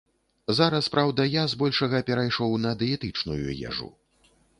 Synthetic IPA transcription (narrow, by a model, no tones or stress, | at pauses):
zaɾɐspɾʔawd̪ɐjazbɔlʲʂɐɣɐpʲɛɾajʂɔwnɐd̪ɛɛt̪ɨt͡ʂnujṵjɛ̰ʐṵ